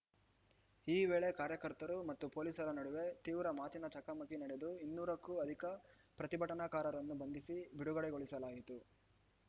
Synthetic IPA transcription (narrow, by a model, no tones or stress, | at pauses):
iːʋeːɭekaːɾjɐkɐɾt̪ɐɾumɐt̪ːupoːlisɐɾɐnɐɽuʋe̞t̪iːʋɾɐmaːt̪inɐt͡ʃɐkamɐkinɐɽed̪uinːuːɾɐkːuɐd̪ʱikɐ | pɾɐt̪ibʱɐʈɐnakaːɾɐɾɐnːubɐnd̪isibiɽuɡɐɽɛɡo̞ɭisɐlaːjit̪u